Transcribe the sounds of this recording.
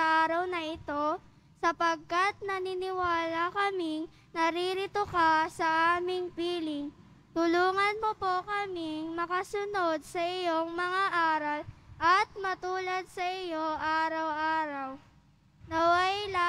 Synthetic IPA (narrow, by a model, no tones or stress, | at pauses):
ɐʔaːɾɐwnɐʔɪt̪o̞ | sɐpɐɡ̚kɐt̪̚nɐnɪnɪwaːlɐkɐmɪŋ | nɐɾiɾɪt̪okasɐʔaːmɪŋpiːlɪŋ | t̪ʊluːŋɐnmopokɐmɪŋmɐkɐsʊno̞d̪̚sɐʔɪjoŋmɐŋaʔaːɾɐlʔɐt̪̚mɐt̪uːlɐd̪̚sɐʔɪjo̞ʔaːɾɐwʔaːɾɐw | nɐwajl